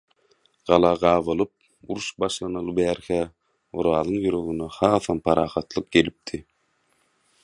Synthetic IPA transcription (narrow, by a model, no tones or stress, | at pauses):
ɢ̥ɑlˠɑːʁɑːvɯlˠɯp̚ | uɾuʃbɑʃlˠɑnɯlˠɯbæːɾxæ | oɾɑːlˠɯŋjyɾø̞ɣyneχɑːθɑmpʰɑɾɑːχɑt̪lˠɯq̚ɡe̞lip̚t̪ʰi